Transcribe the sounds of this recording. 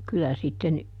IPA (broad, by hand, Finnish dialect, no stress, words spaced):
kylæ sitːen